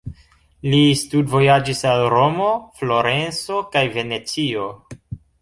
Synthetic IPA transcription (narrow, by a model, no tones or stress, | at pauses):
listudvo̞jad͡ʒisalɾo̞mo̞flo̞ɾe̞nso̞kajve̞ne̞t͡sio̞